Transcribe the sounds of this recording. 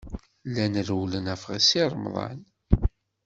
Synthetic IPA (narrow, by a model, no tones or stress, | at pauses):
lːænəɾwlənæfʁasiɾˤmðˤɑ̰n